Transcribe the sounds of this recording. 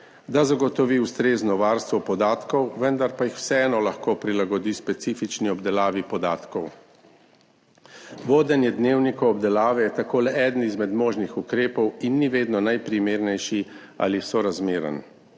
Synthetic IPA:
d̪azaɡɔt̪ɔʋiwst̪ɾeːznɔʋaːɾst̪ʋɔpɔd̪aːt̪kɔwʋənd̪aɾpajixw̥sɛɛːnɔlaxkoːpɾilaɡɔd̪ispɛt̪siːfit͡ʃniɔbd̪ɛlaːʋipɔd̪aːt̪kɔw | ʋoːd̪ɛnjɛd̪neːwnikɔɔbd̪ɛlaːʋɛjɛt̪akoːlɛɛːd̪n̩izmɛd̪moːʒnixukɾeːpɔwinːiʋeːd̪nɔnajpɾimeːɾnɛjʃi | a̰lisɔɾazmeːɾə̰n

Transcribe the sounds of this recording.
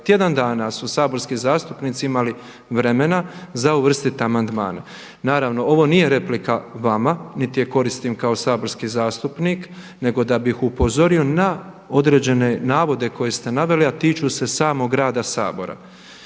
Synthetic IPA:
t̪je̞d̪and̪aːnasusaːbo̞ɾskizaːst̪upniːt̪siimali | ʋɾe̞me̞nazauʋr̩st̪it̪eamand̪ma̰ːne | naːɾaʋno̞o̞ʋo̞nije̞ɾe̞plikaʋamanit̪ije̞ko̞ɾist̪iːmkao̞saːbo̞ɾskiːzaːst̪upniːk | ne̞ɡo̞d̪abixupo̞zo̞ɾio̞na | o̞d̪ɾe̞ːd͡ʑe̞ne̞naːʋo̞d̪e̞ko̞je̞st̪e̞naʋe̞liat̪iːt͡ʃuːse̞saːmoɡɾaːd̪asa̰ːbo̞̰ɾa̰

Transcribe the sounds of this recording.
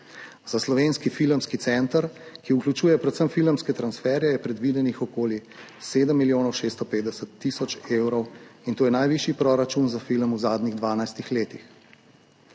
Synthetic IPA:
z̥aslɔʋeːnskifilmskit̪sɛnt̪əɾkiuklʲut͡ʃuːjɛpɾɛt̪səmfilmskɛt̪ɾansfɛːɾjɛjɛpɾɛd̪ʋid̪ɛnixɔkoːli | seːd̪əmːiljoːnɔwʃeːst̪ɔpeːd̪d̪ɛsət̪ːisɔt͡ʃewɾɔwint̪oːjɛnajʋiʃipɾɔɾat͡ʃunzafilmuzaːd̪niɣd̪ʋaːnajst̪ixleːt̪ix

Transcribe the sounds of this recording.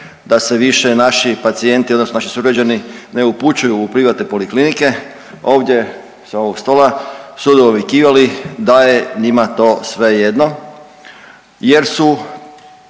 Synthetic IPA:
d̪ase̞ʋiʃenaʃipat̪sie̞nt̪io̞d̪nosnoaʃi̥suɡɾad͡ʑanine̞uput͡ɕujuːpɾiʋat̪nepo̞liklinike̞ | o̞ːʋd̪ʲje̞ | seo̞ʋoɡst̪o̞ːlasud̪oːʋjekiːʋalid̪aje̞ɲimat̪o̞ːsʋe̞je̞d̪no̞ | je̞ɾsu

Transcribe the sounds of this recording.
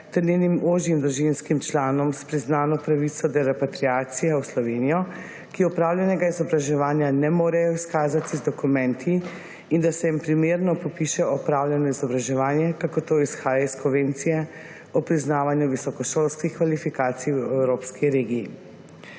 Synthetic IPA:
t̪ɛɾnenimoːʒjimd̪ɾuʒinskimt͡ʃlaːnɔmspɾiznaːnɔpɾaʋit̪sɔd̪ɛɾɛpat̪ɾiaːt̪sijawslɔʋenijɔ | kiɔpɾaːwljɛnɛɡaizɔbɾaʒɛʋaːnjanɛmoːɾɛjɔiskaːzat̪izd̪ɔkumɛnt̪ʰiː | nd̪asɛjimpɾimeːɾnɔpɔpiʃɛɔpɾaːwlʲjɛnɔizɔbɾaʒɛʋaːnjɛkakoɾt̪oːisxaːjaiskɔʋeːnt̪sijɛ | ɔpɾiznaːʋanjuʋisɔkɔʃolskixkʋalifikaːt̪sijwɛwɾoːpskiɾeːɡiː

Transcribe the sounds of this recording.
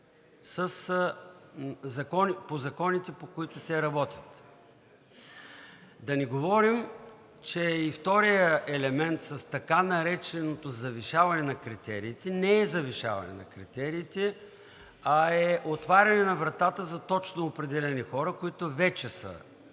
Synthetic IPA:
səs | zɐkɔnipozɐkɔnit̪ɛpokoit̪ʊt̪ʲɛɾɐbɔt̪ʲə̥t̪ | d̪ɐniɡovɔɾim | t͡ʃɛift̪ɔɾijəʔɛlɛmɛnt̪sɐst̪ɐkanɐɾɛt͡ʃɛnot̪ozɐviʃavɐnɛnɐkɾit̪ɛɾiːt̪ɛnɛɛzɐviʃa̰vɐ̰nɛ̰nɐ̰kɾḭt̪ɛɾiːt̪ɛ | ɐɛʔot̪vaɾʲɐnɛnɐvɾɐt̪at̪əzɐt̪ɔt͡ʃnoːpɾɛd̪ɛlɛnixɔɾəkoit̪ovɛt͡ʃɛsə̰

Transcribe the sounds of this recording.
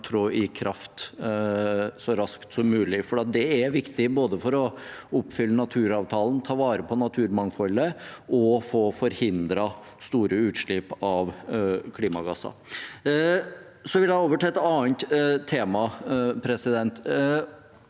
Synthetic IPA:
t̪ʰɾoːʔɪkʰɾʔɑft̪ | sɔɾɑskt̪sɔmːʉːlɪfɔɾɖɛɑt̪̚d̪ɛæɾʋɪkt̪ɪboːd̪əfɔɾɔʊpːfʏlːənɑt̪ʰʉːɾɑːʋt̪ʰɑːln̩t̪ʰɑːʋɑːɾəpʰɔnɑt̪ʰʉːɾmɑŋfɔlːəʔɔfoːfɔɾhɪnd̪ɾɑ | st̪uːɾʔəʉːt̪ʂɭɪpɑʋkʰliːmɑɡɑsɑ̰ | sɔʋɪljæɪoːʋəʈʰɛɛt̪ːɑːnt̪t̪ʰːeːmɑpʰɾɛsɪd̪ɛnt̪

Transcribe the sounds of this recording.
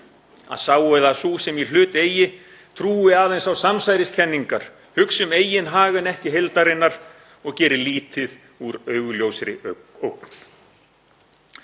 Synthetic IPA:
a̰ðsaːwœɥðasusɛmil̥ʏːt̪eːjɪ | t̪ʰɾuːɪaːðejnsawsamsajɾɪscʰɛnːiŋkaɾ̥ | hʏksʏmeːjɪnɦaːɣʏnɛhcɪɦelt̪aɾɪnːaɾ̥ | ɔɣcɛːɾɪliːt̪ɪð | uɾœːɥɣʏljowsɾɪ | owkn̥

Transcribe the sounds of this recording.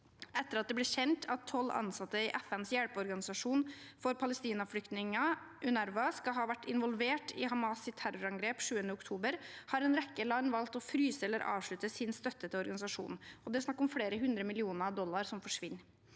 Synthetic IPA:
ɛt̪ːəɾɑt̪̚d̪ɛblɛçɛnt̪ʰɑt̪ʰːɔlːɑ̰nsɑt̪ːəɪʔɛfɛnsjæɽpəɔɾɡɑnɪsɑʂuːnfɔɾpʰɑləst̪iːnɑfɽʏkt̪nɪŋɑ | ʔʉnæɾʋɑskɑɦɑːʋæʈːɪnʋɔlʋeːʈɪɦɑmɑːsɪt̪ʰæɾʊɾɑŋɡɾeːpʂʉːənəʊkt̪ʰuːbəɾhɑːɾɛnɾɛkːəlɑnːʋɑlt̪ɔfɾyːsəɛlːəɾʔɑ̰ːʋʂɭʉt̪əsɪnst̪œt̪ːət̪əɔɾɡɑnɪsɑʂṵːnɔd̪ɛsnɑkːɾɔmfɽeːɾəɦʉnd̪ɾəmɪlɪuːnəɾɑd̪ɔlːɑɾsɔmfɔʂʋɪnː

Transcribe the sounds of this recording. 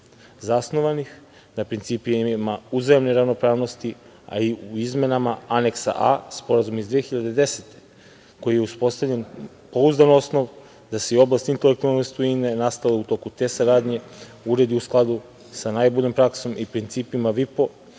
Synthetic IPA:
zasno̞ʋanix | napɾint̪siːpimauzajemneɾavno̞pɾaːʋno̞st̪i | a̰iuizme̞namaaneksa̰ʔa̰spo̞ɾazumizd̪ʋexiʎad̪e̞d̪e̞set̪e̥ | ko̞jijeuspo̞st̪avʎen | po̞uzd̪ano̞sno̞ʋ | d̪aseio̞blˠast̪int̪e̞lek̚t̪ualnost̪ujinenast̪aleut̪o̞ːkut̪e̞ːsaɾaːd̪ɲe̞ | uɾe̞d̪iusklˠad̪u | sanaːjboʎompɾakso̞mipɾint̪siːpimaʋipo̞

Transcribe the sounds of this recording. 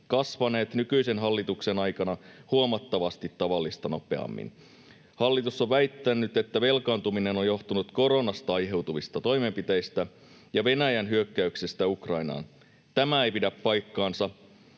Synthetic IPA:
kɑsʋɑne̞ːt̪nykyisenɦɑlːit̪ukse̞nɑjkɑnɑhuomɑt̪ːɑʋɑst̪it̪ːɑʋɑlːist̪ɑno̞pe̞̰ɑ̰mːḭn | hɑlːit̪usːoʋʋæit̪ːænːyt̪e̞t̪ːæʋe̞lkɑːnt̪uminenojjo̞ht̪unut̪ko̞ɾo̞nɑst̪ɑɑjɦe̞wt̪uʋist̪ɑt̪o̞jme̞mpit̪e̞jst̪æ | jɑʋe̞næjænɦyøkːæyksest̪æukrɑinɑ̰ːn | t̪æmæejpidæpːɑjkːɑːnsɑ

